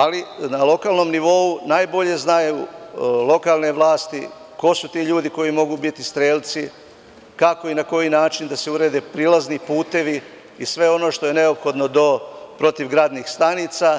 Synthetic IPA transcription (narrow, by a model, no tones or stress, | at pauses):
alinalo̞kaːlˠno̞mniʋo̞unajbo̞ʎe̞znajulˠo̞kaːlˠne̞ʋlˠaːst̪i | ko̞sut̪iːʎuːd̪iko̞jimo̞ɡubit̪ist̪ɾeːlʲt̪si | kako̞inako̞jinaːt͡ʃind̪ase̞uɾeːd̪epɾilˠaznipuːt̪e̞ʋi | isʋe̞o̞no̞ʃt̪o̞je̞ne̞o̞pxo̞d̪no̞d̪o̞pɾo̞t̪iʋɡɾaːd̪nixst̪anit̪sa